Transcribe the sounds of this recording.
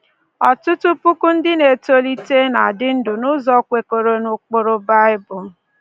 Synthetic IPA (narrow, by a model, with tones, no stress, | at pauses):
ɔ˨tʊ˦tʊ˦pu˦ku˦n̩˦dɪ˦ne˨to˦li˦te˦na˨dɪ˦n̩˦dʊ˨nʊ˦zɔ˦kʷe˨ko˨ɾo˦nʊ˦k͡po˦ɾo˦ba˦ɪ˦bʊ˨